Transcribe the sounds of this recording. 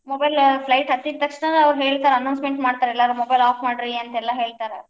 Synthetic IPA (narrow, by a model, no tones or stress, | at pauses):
mobɐjlpʰlɐjʈɦɐt̪ːid̪̚t̪ːɐkʂɳɐnɐɐʋɾuɦeːɭt̪aːɾeɐnɐwnsmeɳʈmaːɖt̪aːɾeɛlːaːɾumobɐjlaːpʰmaːɽɾiɐnt̪ɐɛlːɐɦe̞ːɭt̪aːɾe